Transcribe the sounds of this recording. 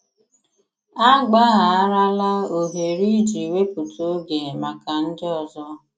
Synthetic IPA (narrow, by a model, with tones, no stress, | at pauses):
a˦ɡ͡ba˦ɣa˨a˦ɾa˦la˦o˨ɦe˨ɾi˦d͡ʒi˨we˦pu˨to˦ɡe˨ma˨ka˨n̩˦dɪ˦ɔ˨zɔ˦